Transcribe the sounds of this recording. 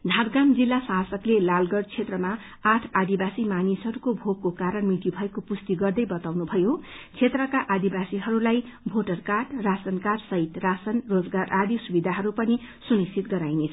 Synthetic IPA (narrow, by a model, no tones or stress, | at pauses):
d̪ʱadɡamd͡zilːasasʌklelalɡʌɽt͡sʰet̪rʌma | aʈʰad̪ibasimanisɦʌɾukobʱoɡ̚kokaɾʌnmit̪ibʱʌekopust̪iɡʌrd̪ʌjbʌt̪awnubʱʌjot͡sʰet̪rʌkaʔad̪ibasiɦʌɾulajbʱoʈʌrkaʈrasʌnkaɾsʌɦit̪rasʌnrod͡zɡaɾʔad̪isubid̪ʱaɦʌɾupʌnisunikt͡sʰit̪̚ɡʌɾajnet͡sʰ